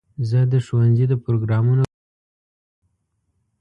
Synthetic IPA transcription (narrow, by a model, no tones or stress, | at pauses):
zəd̪əʃowanzid̪əpɾoɡɾɑmuna